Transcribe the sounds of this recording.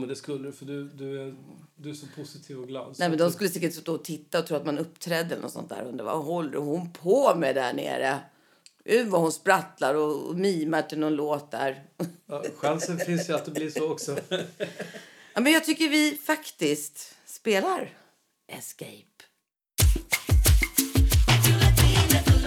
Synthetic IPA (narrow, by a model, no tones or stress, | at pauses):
mɛd̪ɛskɵlːəɾfœɖɵd̪ɵæd̪ɵæʂɔpʰʊsɪt̪ʰiːvɔɡlɑ̰ːd̪nɛːmɛnd̪ɔmskɵlːəsɛkːəʈst̪oːɔt̪ʰɪt̪ːaɔt̪ʰɾuːɾat̪manɵpːt̪ʰɾɛːd̪ːɛlənɔ̰t̪sɔ̰nt̪d̪æ̰ːɾɵ̰nd̪əɾva̰ɦɔlːɾəhʊnpʰɔmɛd̪ɛhæ̰ɳḛːɾə̰ | ʔʉvahʊnspɾat̪laɾɔ̰miːmaʈʰɪlnɔnloːt̪̚d̪æ̰ɾ | ɧansənfɪnsjəat̪̚d̪ɛblisoːɔksɔ | jɑːmɛnjɑːɡt̪ʰʏkːəɾvɪfakt̪ɪskt̪ | speːlaɾ | ʔɛskɛ̰jp